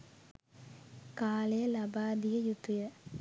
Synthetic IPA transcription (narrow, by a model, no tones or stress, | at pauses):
kaːlejəlabaːd̪ijəjut̪ːujə